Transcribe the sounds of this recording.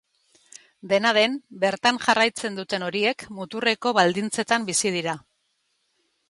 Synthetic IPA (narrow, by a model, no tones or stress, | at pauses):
d̪e̞naðe̞mbe̞ɾt̪aŋʝarajt͡se̞nd̪ut̪e̞no̞ɾie̞kmut̪ure̞ko̞βald̪int͡se̞t̪ambisið̞iɾa